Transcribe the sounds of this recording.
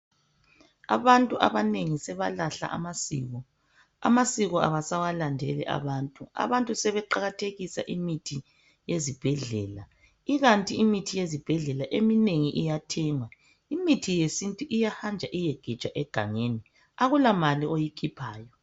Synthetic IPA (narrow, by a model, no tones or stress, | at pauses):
a̰βantʼuʔa̰βaneŋisɛβalaɬa̰ʔa̰masḭːɣɔ | a̰masiɣɔʔa̰βasawalandʱɛlɛ̰ʔa̰βantʼua̰βantʼusɛβɛǃaɣatʰeɣisa̰ʔimitʰi | jezib̥ʱɛɮɛːla | iɣantʼiimitʰijezib̥ʱɛɮɛlaʔemineŋiʔijatʰɛŋwa | imitʰijesintʼuʔijahand͡ʒʱaʔijɛɡ̥ʱi̥t͡ʃʼaʔɛɡ̥ʱa̰ŋeːni | aɣulamaliʔojikʰipʰaːjɔ